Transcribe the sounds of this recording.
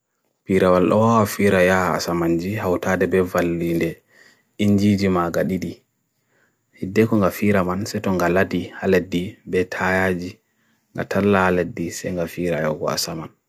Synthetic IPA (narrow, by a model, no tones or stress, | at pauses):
piɾawalɗɔ̰wawafiɾajaha̰ːsamand͡ʒihawtaːdɛbɛvalːindɛ | iɲd͡ʒid͡ʒimaɡaɗiɗi | hidːɛkɔŋɡafiɾamansɛtɔŋɡaladihaledːibɛtʰajad͡ʒi | ŋɡa̰tʰalːahaledːisɛ̰ŋɡafiːɾaja̰wɡɔ̰a̰saman